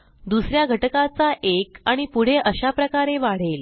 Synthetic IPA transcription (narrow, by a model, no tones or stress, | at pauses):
d̪usɾjaɡʱəʈəkat͡saʔekaɽ̃ipuɽ̤eʔəɕapɾəkaɾeʋaɽ̤el